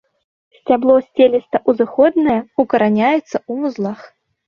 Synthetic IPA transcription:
sʲt͡sʲablˠɔsʲt͡sʲelʲist̪ɐʔuzɨxɔd̪nɐjɐukɐɾanʲajɛt̪sːɐumuzlˠax

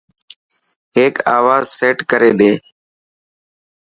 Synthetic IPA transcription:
ɦeːkaːʋaːzseːʈkəɾeːɗ̪eː

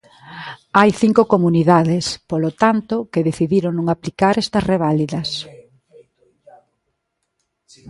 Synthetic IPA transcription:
ajθiŋkokomuniðaðespolot̪ant̪okeðeθiðiɾoŋnõŋaplikaɾɛst̪ɐsreβ̞aliðɐs

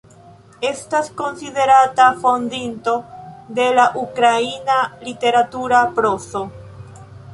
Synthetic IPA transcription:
e̞stasko̞nsiðe̞ɾatafo̞nd̪into̞d̪e̞laʔukɾainalite̞ɾatuɾapɾoso

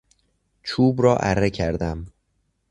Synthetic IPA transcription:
t͡ʃʰuːbɾɒːʔæɾːecʰæɾd̪æm

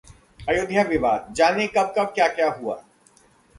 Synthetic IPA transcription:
ɐjʊd̪ʱjaʋɪʋaːd̪̚d͡ʒaːnekɐb̚kɐb̚kjaːkjaːɦua̰ː

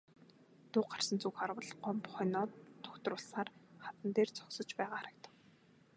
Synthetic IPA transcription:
t̪ʊːqar̥sə̆nt͡sukxarwə̆ɮɢɔmpχœnɔːt̪ʰːɔ̥kt̪rʊːɮsaːrχat̪ə̆nt̪eːrt͡sʰɔ̥χsɞ̆t͡ɕpæːʁaːχaɾə̆k̚t̪ə̆k

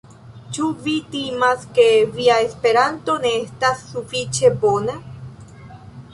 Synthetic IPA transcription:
t͡ʃuvitimaske̞viae̞spe̞ɾanto̞ne̞estasːufit͡ʃe̞bo̞na

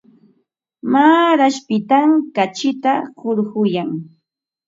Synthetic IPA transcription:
maːɾaʃpɪt̪amkat͡ʃɪt̪ahʊɾɢʊjaŋ

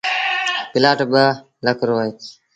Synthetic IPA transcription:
pɪlaːʈbə | ləkɾoːe

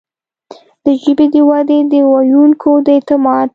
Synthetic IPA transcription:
d̪̥əʒəbed̪əwad̪ed̪əwajuŋkʰod̪əet̪ɪmɑd

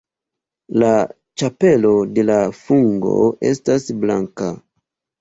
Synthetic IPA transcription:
la | t͡ʃape̞lo̞de̞lafuŋɡo̞̰e̞̰stasbla̰ŋka

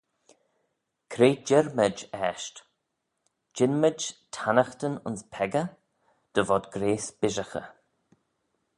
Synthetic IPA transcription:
kʰɾeːd͡ʒɛɾməd͡ʒɛːʃt | d͡ʒɪnməd͡ʒtʰanəxt̪ənʊ̰nspʰɛɡə | d̪̥əvɔd̪ɡɾeːsb̥ɪʒəxə̰

